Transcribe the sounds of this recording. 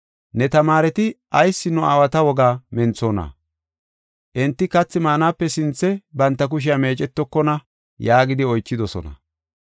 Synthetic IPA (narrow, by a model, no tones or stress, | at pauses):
nɛt̪ɐmaːɾɛt̪ɪʔɐjsːɪnːʊaːwɐt̪ɐwɔɡaːmɛnt͡soːnɐ̰ | ʔɪnt̪ːɪkɐt͡sːɪmaːnaːpːɛsɪnt͡sːɛbɐnt̪ːɐk̬ʊʃ̬ɪjame̞ːt͡ʃʼɛt̪ːɔkːɔnɐ | jaːɡɪd̪ɪɔjt͡ʃːɪd̪ɔsɔ̰nɐ̰